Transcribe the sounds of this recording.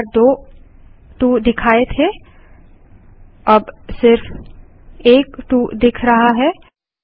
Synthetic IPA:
ɾd̪oː | ʈuːd̪ɪkʰaːet̪ʰe | ɐbsɪɾf | eːkʈuːd̪ɪkʰɾɐɦaɦɛ

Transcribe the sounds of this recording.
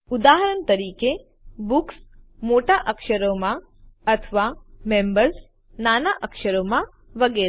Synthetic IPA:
ud̪aːɦəɾənt̪əɾiːke | buksmoʈaʔəkʃəɾomã | ɐt̪ʰʋamembəɾs | naːnaʔɐkʃəɾomã | ʋɐɡeːɾ

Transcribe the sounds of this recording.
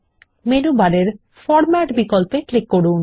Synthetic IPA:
menubaɾeɾ | fɔɾmɛʈbikolpeklikːoɽun

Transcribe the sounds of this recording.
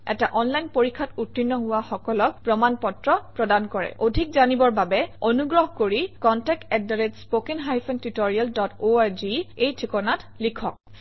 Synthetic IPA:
ɛ̰taʔɔnlajnpoɹikʰːatutːinːɔɦʊwaxɔkɔlɔk̚pɹɔmanpɔtɹɔpɹɔdankɔɹɛ̰ʔodʱikzanibɔɹbabɛonuɡɹɔɦkoɹikɔntɛk̚tɛk̚daɹetspokiŋɦajpʰɛntutoɹialdɔtoaɹziejtʰikɔnatlikʰɔk̚

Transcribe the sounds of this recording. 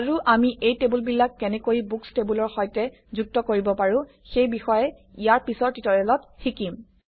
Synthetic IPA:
aɹuʔamiʔejtebulbilːakːɛnɛkojibukstebulɔɹxɔjtɛ | zuk̚tɔkoɹibɔpaɹʊ̃ | xejbixɔjɛ | ijaɹpisɔɹtitɔɹɛlɔt̚xʰikim

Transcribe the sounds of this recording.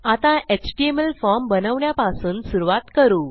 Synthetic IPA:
at̪ãʔet͡ɕʈiemelfɔɾmbənəʋɳjapasuːnsuɾuʋat̪kəɾuː

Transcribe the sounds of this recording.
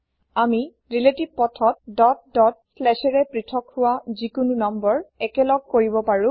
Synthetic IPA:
ami | ɹiletib̚pɔtʰɔt̚dɔt̚dɔt̚slɛʃɛɹɛpɹitʰɔkhʊwazikununɔmbɔɹɛkɛlɔɡ̚koɹibɔpaɹʊ̃

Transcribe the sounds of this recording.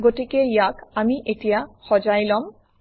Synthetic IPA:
ɡoʈikejakamiʔeʈijahɔd͡ʑajlɔm

